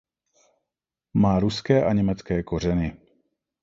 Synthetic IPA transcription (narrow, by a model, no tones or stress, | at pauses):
maːɾuskɛːʔaɲɛmɛt͡skɛːkor̝ɛnɪ